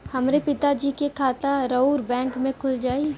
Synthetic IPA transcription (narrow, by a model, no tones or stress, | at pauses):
hɐmɾepɪt̪ad͡ʒiːkekʰaːt̪aɾəuːɾbɛ̃ːŋkmẽkʰʊld͡ʒaːi